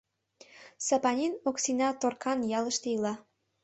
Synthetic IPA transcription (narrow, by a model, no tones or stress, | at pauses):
sɑpɑnʲinoksinɑt̪orkʰɑnjɑlə̆ʃt̪eilɑ